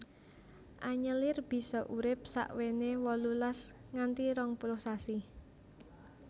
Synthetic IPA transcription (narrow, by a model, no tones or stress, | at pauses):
ʔaɲəlɪrb̥i̤sɔʔuɾɪp̚sa̰ʔwenewɔlulasŋant̪iɾɔŋpulʊhsasi